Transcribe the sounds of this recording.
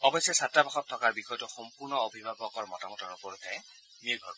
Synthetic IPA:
ɔbɔsjɔsatɹabaxɔtʰːɔkaɹbixɔjtuxɔmpuɹnɔobʱibʱabɔkɔɹmɔtamɔtɔɹupɔɹutʰɛ | miɹɡʱɔ̰ɹ

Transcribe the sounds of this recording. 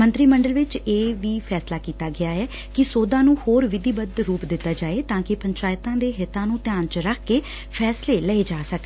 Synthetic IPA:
mənt̪ɾiːməɳɖəlʋɪt͡ʃeːʋiːpʰɛːslaːkiːt̪aːɡɪaːɛː | kɪsoːd̪ãːnũːhoːɾʋɪd̪iːbəd̪ɾuːpd̪ɪt̪ːaːd͡ʒaːeːt̪ãːkɪpəɲt͡ʃaːɪt̪ãːd̪eːɦɪt̪ãːnũːt̪ɪjãːnt͡ʃɾəkʰkeː | pʰɛːsleːləeːd͡ʒaːsək

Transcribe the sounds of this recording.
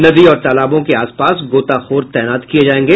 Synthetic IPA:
nɐd̪iɔːɾt̪aːlaːbõkeaːspaːsɡoːt̪axoːɾt̪ɛːnaːt̪kied͡ʒaːẽːŋɡeː

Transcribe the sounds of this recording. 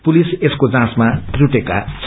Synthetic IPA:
puliseskod͡zãsmat̪ruʈekat͡sʰ

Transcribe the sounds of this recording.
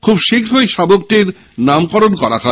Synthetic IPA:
kʰubʃikʰɾɦojʃabok̚ʈiɾ | namkɔɾonkɔɾa̰kʰa

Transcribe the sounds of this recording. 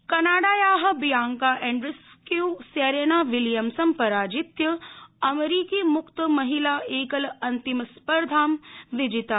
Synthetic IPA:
kɐnaːɽaːjaːɦɐ̆bijaːŋkaːʔẽːɳɖɾɪskiuseːɾeːnaːʋɪljɐmsɐmpɐɾaːd͡ʒit̪jɐɐmeɾiːkiːmʊkt̪əmɐɦilaːeːkəlɐ̃nt̪imspəɾd̪ʱaːmʋɪd͡ʒit̪aː

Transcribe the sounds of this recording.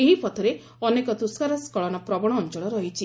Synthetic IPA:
eɦipɔt̪ʰɔɾe | ɔnekɔt̪uskaɾɔskɔɭɔnɔpɾɔbɔɽ̃ɔːnt͡ʃɔɭ̃ɔɾɔɦit͡ʃʰi

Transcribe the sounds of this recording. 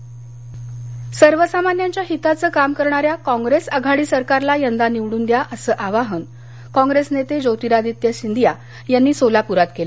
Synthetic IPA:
səɾʋəsamanjaɲt͡ɕjaɦit̪at͡səːkamkəɾɳaɾjakɔ̃ŋɡɾesəɡʱaɽiːsəɾkaɾlajənd̪aniʋɽuːnd̪jaʔəsəːʔaʋaɦən | kɔ̃ŋɡɾesnet̪ed͡ʑowt̪iɾad̪it̪jəɕind̪ija | janːiːsolapuɾat̪kelə

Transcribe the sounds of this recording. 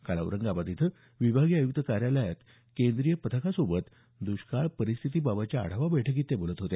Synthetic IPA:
kaɭa̰wɾəŋɡabat̪it̪ʰə | ʋibʱaɡiajuk̚t̪əkaɾjaləjat̪ | kend̪ɾijəpət̪ʰəkasobət̪ | d̪uɕkaɭpəɾist̪ʰit̪iːbabat͡ɕjaa̰ɽ̤aʋabəjʈʰək̬it̪ːebolət̪ɦot̪e

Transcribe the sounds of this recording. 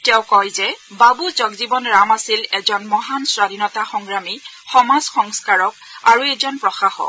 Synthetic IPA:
tɛw̃kɔjzɛbabuzɔɡzibɔnɹamasilɛzɔnmɔɦansɹadinɔtaxɔŋɡɹami | xɔmazxɔŋskaɹɔkaɹuɛzɔnpɹɔxaxɔ̰

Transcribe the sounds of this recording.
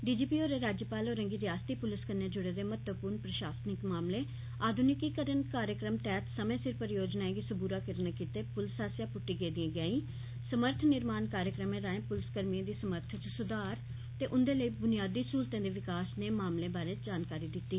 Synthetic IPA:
ɖiːd͡ʒiːpiːoːɾeɾaːd͡ʒjəpaːloːɾəŋɡiːɾjaːst̪iːpʊlɪskənjãːd͡ʒʊɽeːd̪eːmət̪əpuːɾnpɾəʃaːsnɪkmaːmleː | aːd̪ʱʊnɪkiːkəɾənkaːɾjəkɾəmʈ̪ɛːt̪səmẽːsɪɾpəɾjoːd͡ʒnaːẽɡiːsəbuːɾaːkəɾnaːkiːt̪eːpʊlsaːsjãːpʊʈːiːɡeːd̪ĩẽːɡaːĩː | səməɾt̪ʰnɪɾmaːnkaːɾjəkɾəmẽːɾaːẽːpʊlɪskəɾmiẽːd̪iːsəməɾt̪ʰt͡ʃəsʊd̪aːɾ | t̪eːʔʊnd̪eːləiːbʊnɪjaːd̪iːsuːlt̪ẽːd̪eːʋɪkaːsneːmaːmlẽːbaːɾẽːd͡ʒaːnkaːɾiːd̪ɪt̪ːiː

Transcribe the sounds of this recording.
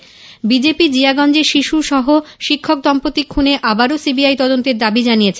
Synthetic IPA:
bid͡ʑepid͡ʑiaɡɔnd͡ʑeɾʃiʃuʃɔɦoʃikʰːok̚d̪ɔmpot̪ːikʰːuneʔabaɾosibiajt̪ɔd̪ont̪eɾd̪abid͡ʑanijet͡ɕʰe

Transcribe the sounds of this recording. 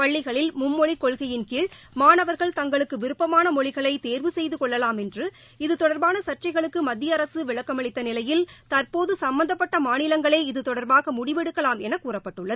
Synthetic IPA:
pɐɭːɪɣɐɭɪlmʊmːɔɭɪkːɔɭɣɐjɪnkiːɭ | maːnɐʋɐɾɣɐɭt̪ɐŋɡɐɭɯkːɯʋɪɾɯpːɐmaːnɐmɔɻɪɣɐɭɐɪt̪eːɾʋɯsɛjðɯkɔɭːɐlaːmɛndrɯ | ɪðɯt̪ɔɽɐɾbaːnɐsɐʈ̚t͡ʃɐɪɣɐɭɯkːɯmɐd̪ːɪjɐɐɾɐsɯʋɪɭɐkːɐmɐɭɪt̪ːɐnɪlɐjɪlt̪ɐɾpoːðɯsɐmbɐnd̪ɐpːɐʈːɐmaːnɪlɐŋɡɐɭeːɪðɯt̪ɔɽɐɾbaːɣɐmʊɽɪʋɛɽɯkːɐlaːmɛnɐkːuːrɐpːɐʈːɯɭːɐðɯ

